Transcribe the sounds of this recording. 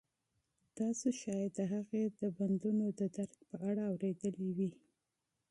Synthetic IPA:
d̪̥ɑseʃɑjd̪əɦaɣed̪əband̪unod̪əd̪aɾk̚pəʔaɽaːwɾed̪əliwi

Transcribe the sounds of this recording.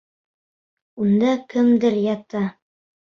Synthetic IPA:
und̪ɑkɘmd̪ɘɾjɑt̪ɑ

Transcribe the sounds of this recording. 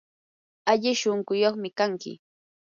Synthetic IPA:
aʎɪʃoŋkʊjoχmɪkaŋkɪ̰

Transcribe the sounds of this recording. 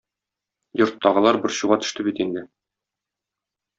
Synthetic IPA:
jŏɾt̪ʰːɒʁɤ̆lˠɑɾbɘɾɕuʁɑt̪ɵ̥̆ʃt̪ɘbit̪ind̪ɘ

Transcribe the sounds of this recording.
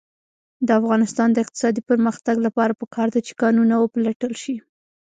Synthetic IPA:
d̪əafɣɑnɪst̪ɑnd̪əɪq̚t̪ɪ̥sɑd̪ipəɾməxt̪aɡlapɑɾapəkʰɑɾd̪at͡ʃe̥kɑnunawəpəlaʈəlʃi

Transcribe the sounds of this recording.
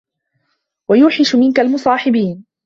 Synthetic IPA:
wajʊːħɪʃʊmɪnkalmʊsˤɑːħɪbiːn

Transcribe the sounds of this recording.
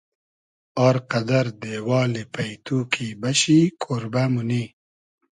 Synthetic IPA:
ɑːɾqad̪aɾd̪ewɑːlepajt̪ukʰibaɕikʰoɾbamʊni

